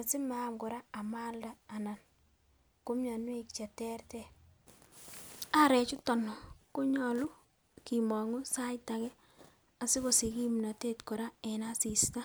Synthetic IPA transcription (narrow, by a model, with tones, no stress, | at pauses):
a˨sɪ˦ma˦mko˨ɾa˦a˨ma˦ldaː˨na˨n | ko˦mɲa˨nwe˦kt͡ʃa˨tɛ˦ɾtɛ˨ | a˦ɾɛ˨t͡ʃu˦tɔ˨nɔ˨ko˦ɲɔ˨lʊ˦ | ki˨mɔ˨ŋu˦sa˦jta˨kɛ˦ | a˨sɪ˦ko˨si˨ki˦mna˨te˦tko˨ɾa˦ɛ˨na˦si˨sta˦